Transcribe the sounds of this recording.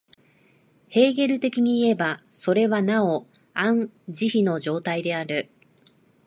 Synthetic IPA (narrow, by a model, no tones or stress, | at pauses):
he̞ːɡe̞ɾɯ̟t̪e̞kʲiɲ̟iːe̞ba | so̞ɾe̞βanao | ãɴd͡ʑiçino̞ʑo̞ːt̪aid̪e̞aɾɯ̟